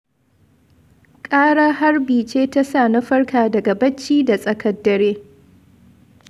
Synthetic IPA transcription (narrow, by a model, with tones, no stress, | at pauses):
kʼaː˦ɽaː˦ɦa˦rbiː˨t͡ʃeː˦ta˦saː˦˨na˦ɸɐ˦rkʰaː˨dɐ˨ɡa˨bɐ˦t͡ʃːiː˦da˨sʼɐ˨kɐ˦dːɐ˨ɾeː˦